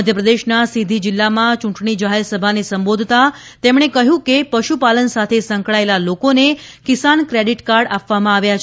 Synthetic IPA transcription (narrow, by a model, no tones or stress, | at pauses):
əd̪ʱjəpɾəd̪eʃnasid̪ʱid͡ʒilːamãt͡ʃũʈɳid͡ʒaɦeɾsəbʱanesəmbod̪ʱt̪at̪emɽ̃ekəɦjũkepəʃupalənsat̪ʰesə̃ŋkɭaelalokonekisankɾeɖiʈkaɾɖapʋamãaʋjat͡ʃʰ